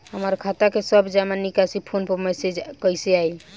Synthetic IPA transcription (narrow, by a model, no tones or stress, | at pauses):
həməɾkʰat̪akesəbd͡ʒamanːikasipʰonpəmɛsed͡ʒkəjseaj